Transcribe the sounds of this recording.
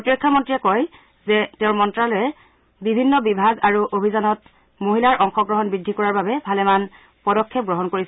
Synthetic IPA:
otɹɔkʰːamɔntɹijɛkɔj | zɛtɛʊɹmɔntɹalojɛ | bibʱinːɔbibʱaɡaɹuʔobʱizanɔt̚ | moɦilaɹʔɔŋxɔɡɹɔɦɔnbɹidʱːikɔɹaɹbabɛbʱalɛman | pɔdɔkʰːep̚ɡɹɔɦɔnkoɹisɛ

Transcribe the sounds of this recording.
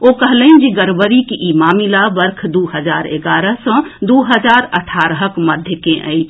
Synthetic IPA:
okəɦləind͡ʒiɡəɾbəɾikiʔimamilabəɾkʰd̪uɦəd͡ʒaɾḛɡaɾəsɔ̃d̪uɦəd͡ʒaɾə̰ʈʰaɾɦəkməd̪ʱjəkẽʔə̰ɪt͡ʃʰ

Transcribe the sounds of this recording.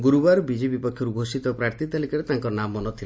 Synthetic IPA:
ɡuɾubaɾbid͡ʒibipɔkʰːjɔɾubʱosit̪ɔpɾaɾt̪ʰit̪alikɔɾet̪aŋkɔnamɔnɔt̪ʰile

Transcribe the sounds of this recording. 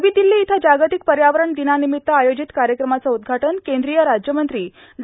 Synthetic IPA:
ʋiːd̪ilːiːt̪ʰad͡ʑaɡət̪ik̚pəɾjaʋəɾəɳd̪inanimit̪ːəajod͡ʑit̪kaɾjəkɾəmat͡saud̪̚ɡʱaʈənkend̪ɾijəɾad͡ʑjəmənt̪ɾiː | d̪

